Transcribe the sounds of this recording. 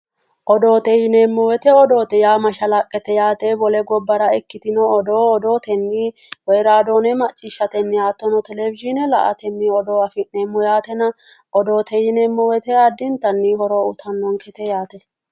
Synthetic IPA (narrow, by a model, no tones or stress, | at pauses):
ʔɔd̪o̞ːt̪ɛjɪneːmːʊwɛt̪ɛɔd̪o̞ːt̪ɛjaːmɐʃɐlɐkʼːɛt̪ɛjaːt̪ɛbɔlɛɡɔbːɐɾɐɛkːɪt̪ɪnɔːd̪oːɔd̪o̞ːt̪ɛnːi | wɛjɾaːd̪oːnɛmɐt͡ʃʼːɪʃɐt̪ɛnːɪjaːt̪ːɔnɔt̪ɛlɛvɪd͡ʒɪnɛlɐ̰ʔɐ̰t̪ɛnːɪɔd̪oːɐfɪneːmːʊjaːt̪ɛnɐ | ʔɔd̪o̞ːt̪ʰɛjɪnɛmːʊwɛt̪ɛɐd̪ːɪnt̪ɐnːɪhɔɾoːʊt̪ʰɐnːɔŋkɛt̪ɛjaːt̪ɛ